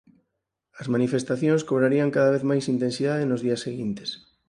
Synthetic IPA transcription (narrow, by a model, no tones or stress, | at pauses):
ɐzmanifest̪aθjõnskoβɾaɾiaŋkaðaβ̞eθmajsint̪ensiðaðenʊzðiɐsːeɣint̪e̥s